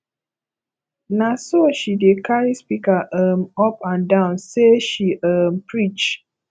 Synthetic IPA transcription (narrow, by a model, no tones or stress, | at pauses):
nasoʃidekaɾispikaʔəm̩ɔpãndaʊ̃nseʃiʔəm̩pɾit͡ʃ